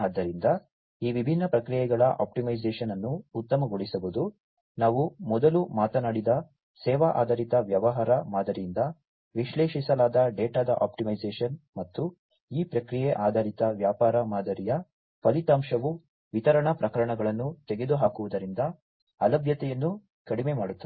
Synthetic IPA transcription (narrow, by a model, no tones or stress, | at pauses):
aːd̪ːɐɾind̪ɐ | iːʋibʱinːɐpɾɐkɾijɛɡɐɭɐʔa̰ːp̚ʈimɐjd͡ʒeːʂɐnɐnːuːt̪ːɐmɐɡoɭisɐbud̪u | naːʋumɔd̪ɐlumaːt̪ɐnaːɽid̪ɐ | sɛːʋaʔa̰ːd̪ɐːɾit̪ɐʋjɐʋɐɦaːɾɐmaːd̪ɐɾijind̪ɐ | ʋiʃleːʃisɐlaːd̪ɐɖeːʈaːd̪ɐʔa̰ːpʈimɐjd͡ʒeːʂɐnmɐt̪ːu | iːpɾɐkɾijɛʔaːd̪ʱaɾit̪ɐʋjaːpaːɾɐmaːd̪ɐɾijɐ | pɐlit̪aːmʃɐʋu | ʋit̪ɐɾɐɳɐpɾɐkɐɾɐɳɐɡɐɭɐnːut̪eɡe̞d̪uɦaːkuʋud̪ɐɾind̪ɐ | ɐlɐbʱjɐt̪ɛjɐnːu | kɐɽimemaːɽut̪ːɐ